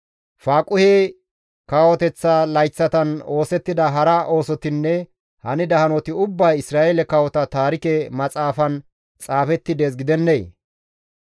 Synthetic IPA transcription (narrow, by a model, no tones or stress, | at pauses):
faːkʼʊheː | kaːwɔt̪ɛt͡sːalɐjt͡sːɐt̪ɐno̞ːsɛt̪ːɪd̪ɐɦɐɾɐʔo̞ːsɔt̪ɪnːɛ | hɐnɪd̪ɐhɐnɔt̪ɪʊbːɐjɪsɾaːʔelɛkɐwɔt̪ɐt̪aːɾɪkɛmɐt͡sʼaːfɐn | t͡sʼaːfɛt̪ːɪd̪eːs̬ɡɪd̪ɛnːej